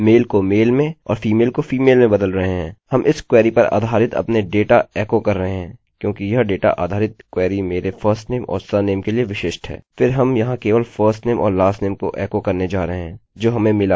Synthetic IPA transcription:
meːlkomeːlmẽɔ̰ːɾfiːmeːlkofiːmeːlmẽbɐd̪əlɾɐɦeɦɛ̃ːhɐmʔɪskwɛːɾipɐɾa̰ːd̪ʱaːɾɪt̪ɐ̰pneɖeːʈaɛːkokɐɾːɐɦeɦɛ̃ːkjõːkijɐɦɖeːʈa̰ʔa̰ːd̪ʱaːɾɪt̪kwɛːɾimeːɾefʰəːɾsʈneːmʔɔ̰ːɾsəneːmkelieʋɪʃeːʃʈɦɛ̰ːfʰɪɾɦɐmjɐɦãkeːʋəlfʰəːɾsʈneːmʔɔ̰ːɾlaːsneːmko̰ʔɛːkokɐɾned͡ʒaːɾɐɦeɦɛ̃ːd͡ʒoːɦɐmẽmɪlaː

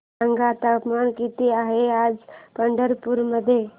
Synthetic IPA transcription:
aŋɡat̪aupmaɳkit̪iaɦead͡zpəɳɖəɾpuɾməd̪ʱːje

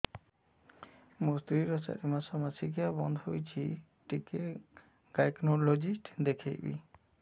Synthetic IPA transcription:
must̪ɾiɾɔsa̰ɾimasɔmasiɡijabɔnd̪ʱojt͡ʃʰi | ʈike | ɡajknolod͡ʒisʈd̪ekʰejbḭ

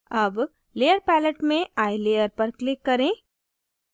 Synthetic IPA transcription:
ɐb | leːjəɾpɛːləʈmẽʔaːileːjəɾpɐɾklɪkːɐɾẽː

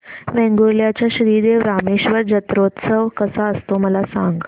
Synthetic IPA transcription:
ʋɛ̃ŋɡoljat͡ɕjaɕɾiːd̪eʋɾameɕʋəɾd͡ʑət̪ɾot̪səʋkəsaəst̪oməlasaŋɡ

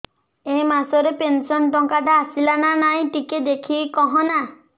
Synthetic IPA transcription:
emasɔɾepensɔnʈɔŋkaɖaːsilananaj̃ʈiked̪ekʰikɔɦɔna

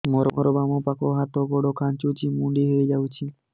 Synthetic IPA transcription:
mɔɾɔɔɾɔbamɔpakɔɦat̪ɔɡɔɽɔkʰant͡ʃot͡ʃʰimuɳɖiɦejd͡ʒawt͡ʃʰi

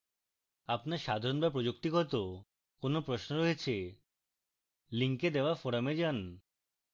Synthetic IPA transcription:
apnaɾʃad̪ʱaɾonbapɾod͡ʑok̚t̪iɡɔt̪o | konopɾoʃnoɾoɦet͡ɕʰe | liŋked̪eoafoɾamed͡ʑan

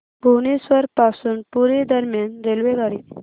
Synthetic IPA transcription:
bonisʋəɾpasuːnpuɾed̪əɾmjanɾelʋeɡaɾi

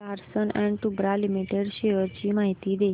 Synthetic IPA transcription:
aɾsənɛ̃ɳʈubɾalimiʈeɖʃeəɾt͡ɕimaɦit̪id̪e

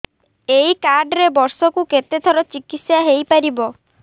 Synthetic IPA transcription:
ejkaɾɖɾebɔɾsɔkuket̪et̪ʰɔɾɔt͡ʃikit̪sjaɦejpaɾibɔ

